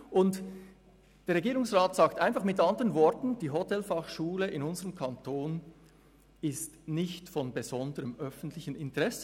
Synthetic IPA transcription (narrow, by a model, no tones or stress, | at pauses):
ʔʊnt | d̥eːʁeɡiːʁʊŋsʁaːtsaːktaɪnfɑχmɪtɑndəʁənvɔɾtn̩d̥iːɦotɛlfɑχʃuːləʔɪnʊnzəʁəmkʰɑntʰoːn | ɪstnɪçtfɔnbezɔndəʁəmœfn̩tʰlɪçənɪntəʁɛsə